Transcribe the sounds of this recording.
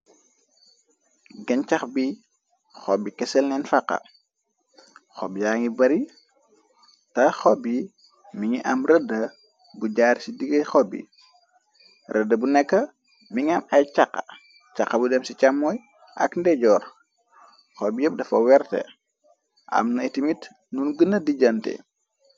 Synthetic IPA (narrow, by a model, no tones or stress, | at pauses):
ɡɐnt͡ʃɐxbi | xɔbikɛsɛlnɛnfɐqːɐ̰ | xɔbijaːŋibɐɾi | tɐxɔbːi | miŋiʔɐmrədə | buɟaːrsidiɡɐjxɔbːḭ | rʔədːəbunɛkːɐ | miŋɐmɐjcakːɐ̰ | t͡ʃaqːɐbudɛmsit͡ʃamːɔːj | ʔɐ̰kndɛɟɔːr | xɔbijɛp̚dɐfɐwɛrtɛ̰ | ʔɐ̰mnɐetimit | nunɡənːɐdiɟɐntɛ̰